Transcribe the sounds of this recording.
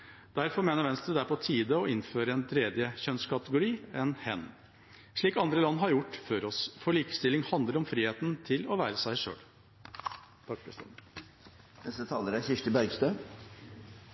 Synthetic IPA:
d̪̥æɾfɔɾmeːnəɾʋɛnst̪əd̪æɾpʰɔt̪ʰiːd̪əɔɪnføːɾəɛnt̪ʰɾeːd̪jəçœnskʰɑt̪əɡʊɾiːɛnhɛnː | ʂɭiːkɑnd̪ɾəlɑnːɦɑɾjʊʈːføːɾɔsfɔɭiːkə̥st̪ɪlɪŋhɑnd̪ləɾɔmfɾiːheːt̪n̩t̪ʰɪlɔʋæːɾəsæɪʂø̰ːl | t̪ʰɑk̚ːpʰɛ̰st̪ɛ̰ | nɛst̪ət̪ʰɑːləɾæɾçɪʂʈəbœʏɡst̪ø

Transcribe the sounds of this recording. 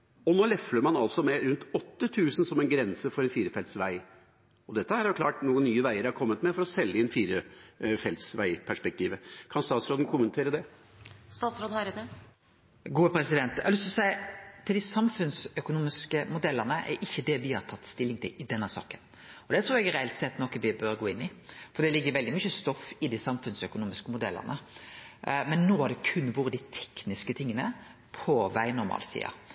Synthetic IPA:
ɔnoːlɛfləɾmɑnɑlsɔmɛɾʉnt̪ɔt̪ːət̪ʰʉːsənsɔmɛnɡɾɛnsəfɔɾɛnfiːɾəfɛlsʋæɪ | ɔd̪ɛt̪ːəhɑɾhɑjʊkʰlɑːʈnuːənnyːəʋæɪəɾæɾkʰɔmːət̪mɛfɔɾɔsɛlːəɪnfiːɾəfɛlt̪sʋæɪpʰæʂpɛk̚t̪ʰiːʋəkʰɑnst̪ɑːt̪sɾoːd̪n̩kʰʊmənt̪ʰeːɾəd̪ɛ | st̪ɑːt̪sɾoːd̪hɑɾəd̪ɛ | ɡuːəpʰɾɛsɪd̪ɛnt̪ːlʏst̪sæɪt̪ʰɪld̪ɪsɑmfʉnsœkʊnuːmɪskəmʊd̪ɛlːənəʔɛ̰ɾʔɪçːəd̪ɛʋɪhɑɾt̪ʰɑt̪ːst̪ɪlːɪŋt̪ʰɪlɪd̪ɛnːəsɑ̰ːkən | ɔd̪ɛt̪ʰɾuːɾɛɡæɾɛɛlt̪sɛt̪ːnɔkəʋɪbœɾɡoːɪnːɪfɔɾd̪ɛlɪɡːəɾʋɛld̪ɪmyçəst̪ɔfːɪd̪isɑmfʉnsœkʊnuːmɪskəmʊd̪ɛ̰lːə̰ʁnə | mɛnːoːhɑd̪ɛkʰʉnːʋuːɾəd̪ɪt̪ʰɛ̥knɪskət̪ʰɪŋːənə | pʰɔʋæɪnʊɾmɑ̰ːlsḭːɑ̰

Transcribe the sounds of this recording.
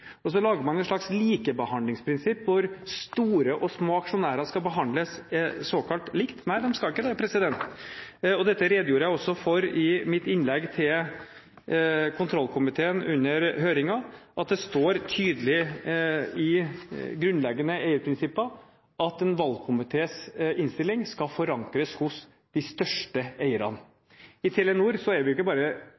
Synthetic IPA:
ɔs̬ɔlɑːɡəɾmɑnɛt̪ʂɭɑksliːkəbəhɑnd̪lɪŋspʰɾɪnsɪpːʋʊɾst̪uːɾəʔɔsmoːɑkʂʊnæːɾɑskɑlbəɦɑnd̪ləssoːkʰɑlt̪lɪkt̪næɪd̪ɛmskɑlɪkːəd̪ɛːpɾɛsɪd̪ɛnt̪ | ɔd̪ɛt̪ːəɾeːd̪juːɾəjæɪɔsːɔfɔɾɪmɪt̪ɪnlɛɡt̪ʰɪl | kʰʊnt̪ʰɾɔlːkʰʊmɪt̪ʰeːənʉnːəɾɦøːɾɪŋɑʔɑt̪̚d̪ɛst̪oːɾt̪ʰyːd̪əlɪ | ɪɡɾʉnlɛɡːənəeɪəɾpʰɾɪnsɪpːɑ | ʔɑt̪ɛnʋɑlkʰʊmɪt̪ʰeːsɪnst̪ɪlːɪŋskɑfɔɾɑŋkɾəshʊs | d̪̥ɪst̪œʂʈəeɪəɾɑ̰n | ɪt̪ʰɛlɛnuːɾsɔæɾʋɪjɪkːəbɑːɾə

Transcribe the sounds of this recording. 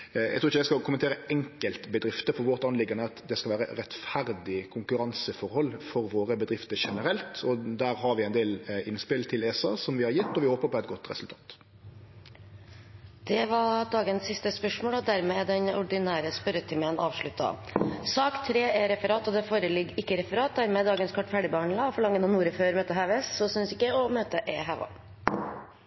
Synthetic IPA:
jæ̰ɡt̪ʰːɾɪçəd̪æɪskɑkʰʊmənt̪eːɾəɛŋkəlt̪bəd̪ɾɪft̪əfɔɾʋɔɾt̪ɑnlɪɡɑnəɑt̪d̪ɛskɑʋæːɾə̰ɾɛt̪fæɾd̪ɪkʰʊŋkʉɾɑnsəfɔɾhɔlːfɔɾʋoːɾəbəd̪ɾɪft̪əɾʂɛnəɾɛlt̪ɔd̪æːɾɦɑɾʋɪæɛɪnd̪eːlɪnspɪlt̪ʰɪleːsɑsɔmʋɪhɑɾjɛt̪ːɔʋɪhoːpəɾpɔɛt̪̚ɡɔt̪ʁɛ̰sʉlt̪ʰɑːt̪ | d̪̥ɛʋɑɖ̪ɑːɡənsːɪst̪əspœʂmoːɭɔd̪æɾmeːd̪ɛnɔɖɪnæːɾəspœɾət̪ʰɪmənʔɑːʋʂɭʉt̪ːɑ̰sɑːkt̪ʰɾeːɛɾɛfəɾɑːt̪ɔd̪ɛfoːɾəlɪɡɪkːəɾɛfəɾɑːt̪̚d̪æɾmɛːd̪ɑːɡənskʰɔʈːfæɖɪbəhɑɳlɑfɔɭɑŋːənɑnuːɾəføːɾmøːt̪əɦɑʋɛsːɔsʏnsɪkːəɔmøːt̪əʔeːɦɑːʋɑ̰

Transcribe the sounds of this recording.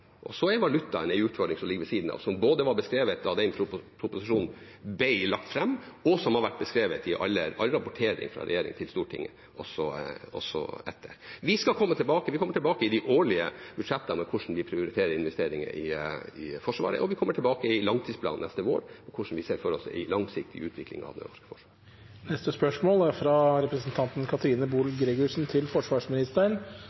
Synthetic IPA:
ʔɔsɔɛɾʋɑlʉt̪ːɑɛnɛɪʉːt̪fɔɖɳɪŋsɔmlɪɡːəʋɛsiːd̪n̩ɑ̰ːʋsɔmboːd̪əʋɑɾbəskɾeːʋət̪̚ɑʋd̪ɛnʰpʰɾʊpʊsɪʂuːn | bɛɪlɑk̚t̪fɾɛmːɔsɔmhɑɾʋæʈ̚ːbəskɾeːʋət̪ɪʔɑ̰lːəɑ̰lɾɑpʊʈʰeːɾɪ̰ŋfɾɑ̰ɾɛ̰jeːɾɪ̰ŋt̪ʰɪlst̪uːʈʰɪ̰ŋːə | ʔɔsɔɔ̰sːɔ̰ɛt̪ʰːəɾʋɪskɑlkʰɔmːət̪ʰɪlbɑːkəʋɪkʰɔmːəʈʰɪlbɑːkəɪd̪ɪʔoːɭɪəb̥ʉd̪ʂɛt̪ːəmɛkʰʊʂn̩ʋɪpʰɾɪʊɾɪt̪ʰeːɾəɾɪnʋɛst̪eːɾɪŋə̰ʔɪɪfɔʂʋɑ̰ːɾə̰ʔɔʋɪkʰɔmːəʈʰɪlbɑːkəɪlɑŋt̪ʰiːspʰlɑ̰ːnnɛst̪əʋo̰ːɾɔkʰʊʂn̩ʋɪseːɾfɔɾɔsɪ̰lɑŋsɪk̚t̪ʰɪʉːt̪ʰʋɪklɪ̰ŋɑ̰ʋd̪ɛ̰nɔʂkə̥fɔʂʋɑːɾ | nɛst̪əspœʂmoːlæɾfɾɑɾɛpɾəsn̩t̪ʰɑnt̪nkʰɑt̪əɾiːnəbuːlɡɾeɡʊʂn̩t̪ʰɪlfɔʂʋɑːʂmɪnɪst̪əɳ

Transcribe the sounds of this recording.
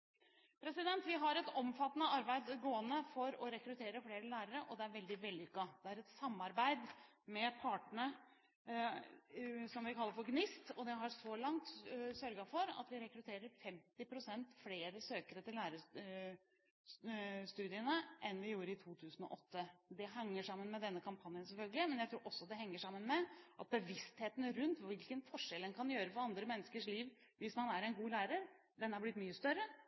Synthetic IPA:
pʰɾɛsɪd̪ɛnt̪ʋɪɦɑɾɛt̪ɔmfɑt̪ːənəɑɾbæɪd̪ɡoːənəfɔɾɔɾɛkɾʉt̪ʰeːɾəfleːɾəlæːɾəɾəʔɔd̪ɛæɾʋɛld̪ɪʋɛld̪ɪʏkːɑd̪ɛæɾɛt̪sɑmːɑɾbæɪd̪ | mɛpʰɑːʈəɳə | sɔmʋɪkʰɑlːəɾfɔɾɡnɪst̪ɔd̪ɛɦɑɾʂɔlɑŋt̪sœɾɡɑfɔɾɑ̰t̪ʋɪɾɛkɾʉt̪ʰeːɾəɾfɛmt̪ɪpʰɾʊsɛnt̪fleːɾəsøːkəɾət̪ɪlːæːɾə | st̪ʉːd̪ɪənəʔɛnʋɪjuːɾəɪt̪ʰuːt̪ʰʉːsənɔ̰ʔɔt̪ːəd̪ɛɦɑŋːəʂɑmːənmɛd̪ɛnːəkʰɑmpʰɑnjənsɛlfœlɡəlɪmɛnjæɪt̪ʰɾuːɾʔɔsːɔd̪ɛɦɛŋːəʂɑmːənmɛʔɑt̪̚bəʋɪst̪heːt̪nɾʉnt̪ʋɪlkənfɔʂɛlɛnkʰɑnjøːɾəfɔɾɑnd̪ɾəmɛnːəskəʂliːʋ | ʋɪsmɑnæɾɛnɡuːlæːɾəɾ | d̪ɛnːəhɑɾblɪt̪myːəst̪œɾːə

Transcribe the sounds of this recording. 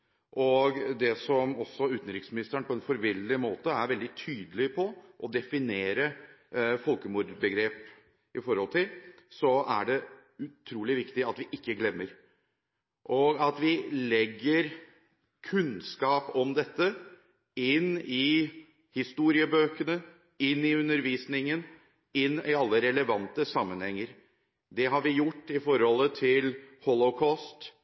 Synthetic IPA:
ʔɔɡd̪ɛsɔmɔsːɔʉːt̪n̩ɾɪksmɪnɪst̪əɳpʰɔɛnfɔɾʋɪlːɪmoːt̪əæɾʋɛld̪ɪt̪ʰyːd̪əlɪpʰɔʔɔd̪ɛfɪneːɾə | fɔlkəmuːd̪bəɡɾeːp | ɪfɔɾhɔlˠt̪ʰɪlsɔæ̰ɖɛ | ʉt̪ʰɾuːlɪʋɪkt̪ɪɑt̪ʋɪʔɪkːəɡlɛmːəɾ | ʔɔɡɑt̪ʋɪlɛɡːəɾ | kʰʉnskɑːpɔmd̪ɛt̪ːə | ɪnɪ | hɪst̪uːɾɪəbøːkənə | ɪnːɪʉnəɾʋiːsnɪŋən | ɪnːɪɑlːəɾɛləʋɑnt̪əsɑmːənhɛŋːəɾ | d̪ɛɦɑɾʋɪjʊʈːɪfɔɾhɔlːət̪ʰɪlhɔlɔkʰɑːst̪

